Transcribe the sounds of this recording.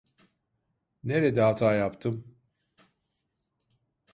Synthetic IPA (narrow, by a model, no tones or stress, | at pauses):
neɾɛd̪ɛɦat̪ʰaːjapt̪ʰɯm